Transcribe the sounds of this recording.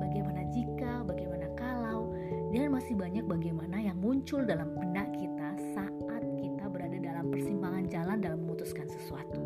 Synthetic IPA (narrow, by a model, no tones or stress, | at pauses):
baɡajmanad͡ʒikabaɡajmanakalaw | dianmasɪhbaɲak̚baɡajmanajaŋmuɲt͡ʃʊldalampənakit̪a | sa | at̪̚kit̪abəɾadadalampərsimpaŋand͡ʒalandalamːəŋut̪uskansə̥suat̪u